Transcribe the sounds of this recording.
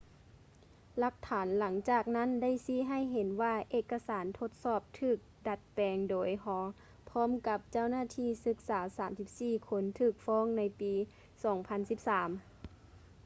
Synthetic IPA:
la˧˦˥k̚t̪ʰaː˩˦nla˩˦ŋt͡ɕaː˧˨˩k̚na˥˨nda˥˨jsiː˧˥˩ɦa˧˩˨jɦe˨˦nwaː˧ʔeː˧˩kːa˧saː˩˦nt̪ʰo˧˥t̪̚sɔː˧˩p̚t̪ʰɯː˧˩k̚da˧˦t̪̚pɛː˨˧ŋdoː˩˦jɦɔː˨˧˦ | pʰɔː˧˥˨mka˧˦p̚t͡ɕa˧˩˨wnaː˧˥˨t̪ʰiː˧˥˨sɯ˧˥k̚saː˩˦saː˩˦msi˧p̚siː˧˩kʰo˧˥nt̪ʰɯː˧˩k̚fɔː˧˥˨ŋna˧˥jpiː˧˦ | sɔː˩˦ŋpʰa˧˥nsi˧˥p̚saː˩˦m

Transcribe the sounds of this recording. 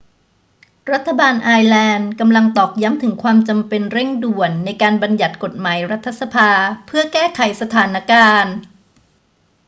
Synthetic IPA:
ɾa˦˥t̪ʰːa˧baː˧nʔaː˧jlɛː˧nka˧mla˧ŋt̪ɔː˨˩k̚ja˦˥mt̪ʰɯ˩˦ŋkʰwaː˧mt͡ɕa˧mpe˧nɾe˥˩ŋdu˨˩ənːa˧jkaː˧nba˧nja˨˩t̪̚ko˨˩t̪̚maː˩˦jɾa˦˥t̪ʰːa˧˥sa˧pʰaː˧pʰɯ˥˩ɐkɛː˥˩kʰa˩˦jsa˧t̪ʰaː˩˦nːa˥kaː˧n

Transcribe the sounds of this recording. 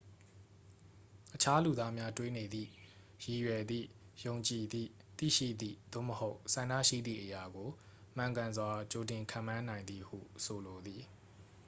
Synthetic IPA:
ʔət͡ɕʰa˦lu˨d̪a˦mja˦twe˦ne˨d̪ðḭ˦˨ | ji˨jwɛ˨d̪ðḭ˦˨ | jõ˨ʊ̃ɲt͡ɕi˨d̪ḭ˦˨ | t̪ḭ˦˨ʃḭ˦˨d̪ḭ˦˨d̪o̰˦˨məho˦ʊʔsã˨ndä̰˦˨ʃḭ˦˨d̪ðḭ˦˨ʔəja˨ɡo˨ | m̥ã˨ŋɡã˨nzwa˨t͡ɕo˨t̬ɪ̃˨ŋkʰã̰˦˨mã˦nã˨ɪ̃nd̪ði˨hṵ˦˨sʰo˨lo˨d̪ði˨

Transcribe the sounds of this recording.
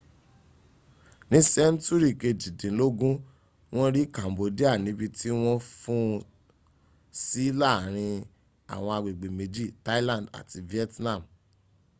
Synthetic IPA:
nĩ˦sɛ˦n̩˦tu˦ɾi˦˨ke˧d͡ʒi˨dĩ˨˦lo˦ɡũ˦ | w̃ɔ̃˦ɾi˦kã˨mbo˨˦di˦a˦˨nĩ˨˦bi˧ti˦w̃ɔ̃˦fũ˦ | si˦la˦˨ɾ̃ĩ˧ | a̰˨w̃ɔ̃˧a˧ɡ͡be˨ɡ͡be˨me˧d͡ʒi˦˨ta˦lã˦˨n˨da̰˨ti˧vi˦ɛ˦tnã˦˨m

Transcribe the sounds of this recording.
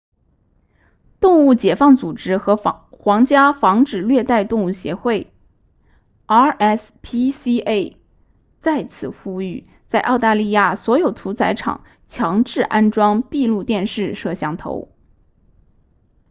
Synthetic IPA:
t̪ʊ˥˧ŋu˥˩t͡ɕjɛ˨˩fɑ˥˩ŋt͡su˨˩ʈ͡ʂɻ̩˥xɤ˧˥xwɑ˧˥ŋt͡ɕja˥fɑ˧˥ŋʈ͡ʂɻ̩˨˩lɥɛ˥˧t̪a˥˧ɪt̪ʊ˥˧ŋu˥˩ɕjɛ̰˧˥xwe˥˩ɪ | a˥ʔɛ˥˩s | pʰi˥si˥e˥˩ɪ | t͡sa˥˩ɪt͡sʰɹ̩˨˩xu˥y˥˩ | t͡sa˥˧ɪʔɑ˥˧ʊt̪a˥˧li˥˧ja˥˩swɔ˧˥jo˨˩ʊt̪ʰu˧˥t͡sʰa˧˥ɪʈ͡ʂʰɑ̰˨˩˦ŋ | t͡ɕʰjɑ˧˥ŋʈ͡ʂɻ̩˥˩ʔa˥nʈ͡ʂwɑ˥ŋpi˥˧lu˥˧t̪jɛ˥˧nʂɻ̩˥˧ʂɤ˥˧ɕjɑ˥˩ŋt̪ʰo̰˧˥ʊ

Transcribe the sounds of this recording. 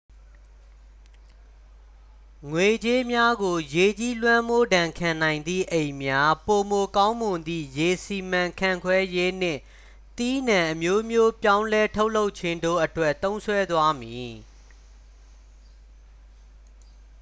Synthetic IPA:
ŋwe˨d͡ʑe˦mja˦ɡo˨je˨t͡ɕi˦lwã˦mo˦˨dã˨ŋkʰã˨n̥ã˨ɪ̃nd̪ðḭ˦˨ʔẽ˨ɪ̃mja˦po˨mo˨kã˦ʊ̃mʊ̃˨nd̪ðḭ˦˨je˨si˨mã˨kʰã˨ŋkʰwɛ˦je˦n̥ɪ̰̃˦˨ | t̪i˦nã˨ʔə˨mjo˦mjo˦pjã˦ʊ̃nlɛ˦tʰo˦ʊʔlo˦ʊʔt͡ɕʰɪ̃˦ndo̰˦˨ʔə˨twɛ˦ʔt̪õ˦ʊ̃nsʰwɛ˦d̪wa˦mji˨

